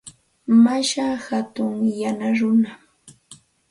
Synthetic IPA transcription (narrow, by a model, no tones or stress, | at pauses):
maʃahat̪ʊŋjanaɾʊna